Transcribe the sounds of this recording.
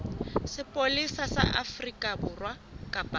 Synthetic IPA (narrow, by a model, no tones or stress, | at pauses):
sɪpʼolisasa̰ʔafrikʼabʊrwa | kʼapʼa